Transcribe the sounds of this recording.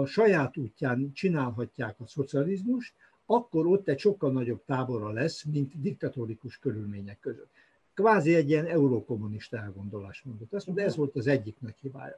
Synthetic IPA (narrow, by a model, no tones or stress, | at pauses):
ʃɒjaːt̪uːcːaːnt͡ʃinaːlɦɒcːaːkɒso̞t̪siɒlizmuʃt̪ | ɒkːo̞ɾo̞t̪ːɛcʃo̞kːɒlnɒɟo̞bt̪aːbo̞ɾɒlɛsmint̪d̪ik̚t̪ɒt̪oɾikuʃkøɾylmeːɲɛkːøzøt̪ | kvaːziɛɟijɛnɛuɾoːko̞mːuniʃt̪ɒɛlɡo̞nd̪o̞la̰ːʃt̪mo̞nd̪o̞t̪ːɛst̪mond̪ɛzʋo̞lt̪ɒzɛɟːiknɒchiba̰ːjɒ̰